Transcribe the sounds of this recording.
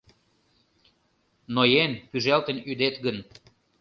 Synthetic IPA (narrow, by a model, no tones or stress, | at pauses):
nojenpyʒælt̪ə̆nyd̪et̪ɡən